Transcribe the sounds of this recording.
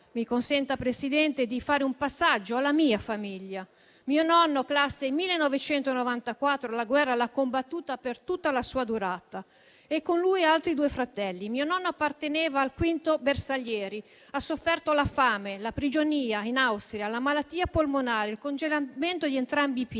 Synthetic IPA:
mikonsɛnt̪apɾesid̪ɛnt̪ed̪ifaːɾeumpasːad͡ʒːoalːamiːafamiʎːa | miːonɔnːoklasːemilːenːovet͡ʃɛnt̪onovant̪akwat̪ːɾolaɡwɛrːalakːombat̪ːuːt̪apert̪ut̪ːalasuːad̪uɾat̪a | ekːonlujalt̪ɾid̪uːefɾat̪ɛlːimiːonɔnːoapːart̪enɛːvaːlkwint̪obersaʎjɛːɾi | asːofːɛrt̪olafaːmelapɾid͡ʒoniːainawst̪ɾjalamalat̪ːiːapolmonaːleilkond͡ʒelament̪od̪ient̪ɾambip

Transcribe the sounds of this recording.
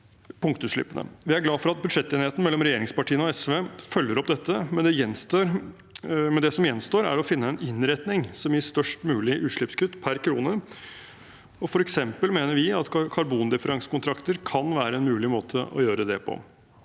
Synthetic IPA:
pʊŋkt̪ʉʂɭɪ̰pːənə̰ʋɪæɾɡlɑːfɔɾɑt̪̚bʉd̪ʂɛt̪ːeːnɪheːt̪n̩mɛlːɔmɾɛjeːɾɪŋspɑʈʰiːənɔɛsʋefœlːəɾɔpd̪ɛt̪ʰːəmɛnd̪ɛjɛnːst̪oːɾ | mɛnd̪ɛsɔmjɛnst̪oːɾæ̰ɾɔfɪnːəɛnɪnɾɛt̪nɪŋsɔmjɪst̪œʂʈmʉːlɪʔʉːʂɭɪpskʉt̪ːpʰæɾkʰɾuːnə | ɔfɔɾɛksɛmpəlmeːnəɾʋɪɑt̪kʰɑɾbuːnd̪ɪfəɾɑŋsə̥kʊnt̪ʰɾɑkt̪əɾkʰɑnʋæːɾəɛnmʉːlɪmoːt̪ʰəʔɔ̰jøːɾəd̪ɛpʰɔ̰

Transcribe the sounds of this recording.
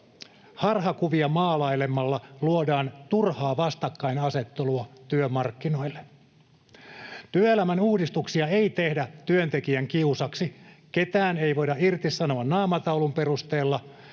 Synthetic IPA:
hɑrhɑkuʋiɑmɑːlɑilemːɑlːɑluodɑːnt̪urhɑːʋɑst̪ɑkːɑinɑset̪ːeluɑt̪yømɑrkːino̞ilːe | t̪yøelæmænuːdist̪uksiɑe̞it̪ehdæt̪yønt̪ekiæŋkiusɑksiket̪æːneiʋo̞jdɑirt̪isɑnoɑnnɑːmɑt̪ɑwlumperust̪eːlːɑ

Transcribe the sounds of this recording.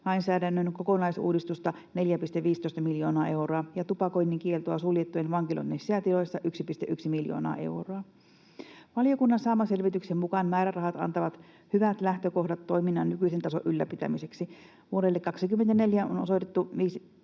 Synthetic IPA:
lɑijnsæːdænːønkokonɑisṵːdist̪ust̪ɑ | ne̞ljæpist̪eʋʋiːst̪oist̪ɑmiljo̞ːnɑːʔe̞wroɑjɑt̪upɑko̞inːeŋkielt̪oɑsuljet̪ːujenʋɑŋkilo̰nːeseæt̪ilojsːɑʔyksipist̪eʔyksimiljo̰ːnɑ̰ːʔe̞̰wroɑ | ʋɑlijo̞kunːɑnsɑːmɑse̞lʋit̪yksemmukɑnmæːɾærɑhɑt̪ɑ̰nt̪ɑʋɑt̪ | hyʋæt̪læht̪øko̞hdɑt̪ːo̞iminːɑnnykyisent̪ɑsoʔylːæpit̪æ̰mise̞ksi | ʋuoɾelːekkɑksikymːent̪æne̞ljæo̰nosojt̪et̪ːuʋiːs

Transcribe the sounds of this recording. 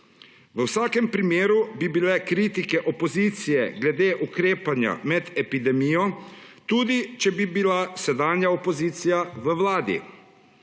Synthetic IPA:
ʋəwsaːkɛmpɾimeːɾubibilɛkɾiːt̪ikɛʔɔpɔziːt̪sijɛɡlɛd̪eːʔukɾeːpanja̰mɛd̪ɛpid̪ɛmijɔt̪uːd̪it͡ʃɛbibilasɛd̪aːnjaɔpɔziːt̪sijaʋəwlaːd̪ḭ

